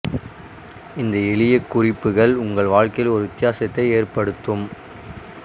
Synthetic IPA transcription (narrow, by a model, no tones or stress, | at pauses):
ɪnd̪ɐɛɭɪjɐkːʊrɪpːɯɣɐɭʊŋɡɐɭʋaːɻkɐjɪlɔɾɯʋɪt̪ːɪjaːsɐt̪ːɐɪeːrpɐɽɯt̪ːɯm